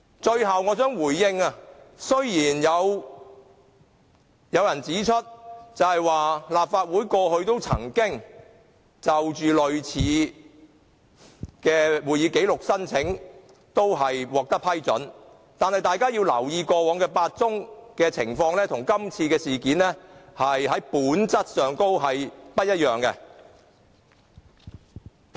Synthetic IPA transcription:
t͡ʃɵ˧ɥɦɐ˨wŋɔː˨˧t͡sœː˥ŋwuː˨˩jːɪ˧ŋɐ˧sɵ˥ɥjiː˨˩njɐ˨˧w | jɐ˨˧wjɐ˨˩nt͡siː˨˥t͡ʃʰɵ˥t̚t͡sɐ˨whɐ˨jwaː˨laː˨p̚faː˧t̚wuː˨˥jkɔː˧hɵ˧ɥt̪o˥wt͡sʰɐ̰˨˩ŋkɪ˥ŋ | t͡sɐ˨wt͡ʃyː˨lɵ˨˧ɥt͡sʰiː˨˧ | kɛː˧wuː˨˩jiː˨˧ke˨˥jlʊ˨k̚sɐ˥nt͡sʰɪ˨˥ŋ | t̪o˥wɦɐ˨jwɔː˨˩k̚t̪ɐ˥k̚pʰɐ˥jt͡sɵ˨˥n | t̪aː˨nhɐ˨jt̪aː˨˧jkaː˥jiː˧wlɐ̰˨˩wjiː˨˧kɔː˧wɔː˨˥ŋkɛː˧paː˧t̚t͡sʊ˥ŋkɛː˧t͡sʰɪ̰˨˩ŋfɔː˧ŋlɛː˥t̪ʰʊ˨˩ŋkɐ˥mt͡sʰiː˧kɛː˧siː˨kiː˨˥nlɛː˥hɐ˨jɦɐ˨˥jpuː˨˥nt͡sɐ˥t̚sœː˨ŋt̪o˥wɦɐ˨jpɐ˥t̚jɐ˥t̚jœː˨ŋkɛ˧

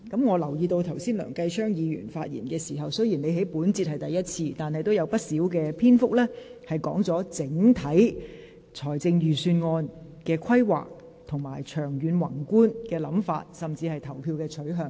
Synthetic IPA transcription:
kɐ˨˥mŋɔː˨˧lɐ˨˩wjiː˧t̪o˧wt̪ʰɐ˨˩wsiː˥nlœ̰ː˨˩ŋkɐ˧jt͡ʃʰœː˥ŋjiː˨˧jy̰ː˨˩nfaː˧t̚jḭ˨˩nkɛː˧si˨˩ɦɐ˨wsɵ˥jiː˨˩nle˨˧jɦe˨˥jpuː˨˥nt͡siː˧t̚hɐ˨jt̪ɐ˨jɐ˥t̚t͡sʰiː˧t̪aː˨nɦɐ˨jt̪o˥wjɐ˨˧wpɐ˥t̚siː˨˥wk̬ɛː˧pʰiː˥nfʊ˥k̚lɛː˥hɐ˨jkɔː˨˥ŋt͡sɔː˨˥t͡sɪ˨˥ŋt̪ʰɐ˨˥j | t͡sʰɔː˨˩jt͡sɪ˧ŋjyː˨˩syː˧nŋɔː˧n | kɛː˧kʰɐ˥jwa̰ː˨k̚ | t̪ʰʊ˨˩ŋmaː˨˩jt͡ʃʰœː˨˩ŋjyː˨˧nwɐ˨˩ŋkuː˥nkɛː˧lɐ˨˥mfa̰ː˧t̚sɐ˨mt͡siː˧hɐ˨jt̪ʰɐ˨˩wpʰiː˧wkɛː˧t͡sʰɵ˨˥ɥɦœː˨ŋ

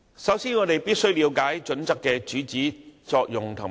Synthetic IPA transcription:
sɐ˨˥wsiː˥nŋɔː˨˧t̪e˨jpiː˥t̚sɵ˥ɥliː˨˧wkaː˨˥jt͡ʃɵ˨˥nt͡sɐ˥kːɛː˧t͡ʃyː˨˥t͡siː˨˥t͡sɔː˧k̚jʊ˨ŋt̪ʰʊ˨˩

